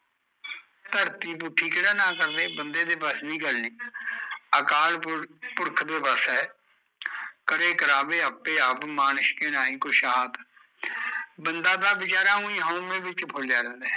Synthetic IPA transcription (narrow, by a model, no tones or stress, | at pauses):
t̪əɾt̪iːpuːʈʰːiːkeɽaːnãːkəɾd̪eːbənd̪eːd̪eːpəsnĩːɡəlniː | əkaːlpʊɽkʰd̪eːbəsɛː | kəɾeːkəɾaːbeːəpːeːaːpmaːnəʃkeːnaːĩːkʊʃaːt̪ | bənd̪aːd̪aːbɪt͡ʃaːɾaːɦũːĩːɦõːmẽːbɪt͡ʃpʰʊld͡ʒaːɾɛ̃ːnd̪eː